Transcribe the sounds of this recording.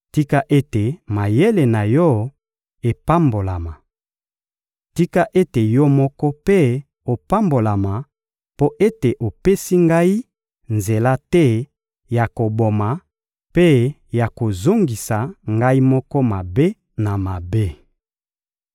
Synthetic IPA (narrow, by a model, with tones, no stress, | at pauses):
ti˦ka˦ʔe˦te˨ma˨je˦le˨na˨jɔ˦ | e˨pa˦mbo˨la˨ma˨ | ti˦ka˦ʔe˦te˨jɔ˦mɔ˦kɔ˦pe˦ | o˨pa˦mbo˨la˨ma˨ | po˦ʔe˦te˨ʔo˨pe˦si˦ŋɡa˦i˦ | nze˨la˦tɛ˦ | ja˨ko˨bo˨ma˨ | pe˦ | ja˨ko˨zo˦ŋɡi˨sa˨ŋɡa˦i˦mɔ˦kɔ˦ma˨be˦ | na˨ma˨be˦